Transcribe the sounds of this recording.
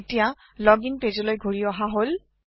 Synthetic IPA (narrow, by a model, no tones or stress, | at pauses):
tija | lɔɡinpezɔlojɡʱoɹiɔɦaɦol